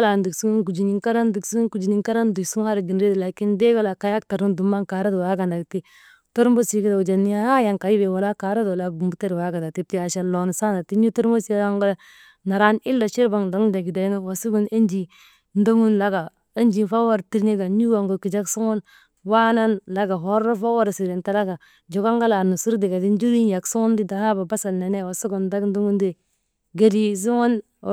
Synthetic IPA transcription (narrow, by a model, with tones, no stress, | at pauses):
la˨ndi˨ksu˦ɡu˦nku˨d͡ʒi˨ni˦ŋka˦ɾa˦ndi˨ksu˦ɡu˦ku˨d͡ʒi˨ɲi˦ŋka˦ɾa˦ndu˨su˦ŋ˦a˦ɾa˨ɡi˨nɾe˦dla˨ki˦nde˦ɡa˦la˨ka˨˦ja˦kta˨ɾu˦ndu˨ma˦ŋka˨˦ɾa˦do˨wa˦ɡa˨nda˨ɡti˦ | to˦ɾmbo˦si˨ki˦da˨u˨d͡ʒa˨ni˦a˦ha˦ja˨ŋka˨ji˦be˨wa˨la˦ka˨˦ɾa˦do˨la˦ɡu˨mbu˦te˦ɾwa˦ɡa˨nda˨ti˦p̚ti˦a˨ʃa˨lo˨n˨sa˦na˨ti˦ɲu˦to˦ɾmbo˦si˦a˦ŋɡo˦a˦ | na˨ɾa˦ni˦lːa˨ʃi˦ɾba˨ŋdo˦ŋ˦da˨ɡi˨da˨jŋa˦wa˨su˦ɡu˦ne˦nd͡ʒi˨ | n˦do˦ŋu˦nla˦ɡa˨ | e˦nd͡ʒi˨nfa˦wa˦ɾti˨ɾni˦ɡa˨ɲu˦wa˨ŋɡo˨ki˨d͡ʒa˦ksu˦ŋu˦n | wa˦na˦nla˦ɡa˨ɦo˦ɾo˦fa˦wa˦ɾsi˨ɾi˨nta˦la˦ɡa˨ | d͡ʒo˨ɡa˦ŋɡa˦la˨nu˨su˦ɾdi˨ɡa˨di˦n˦d͡ʒu˦ɾi˦nja˨ksu˦ŋu˦ndi˦da˨ha˦ba˨ba˦sa˨lne˨ne˦˨wa˨su˦ɡu˨nda˦kn˦du˦ŋu˦ndi˦ | ɡe˨di˦s̬u˦ŋo˦n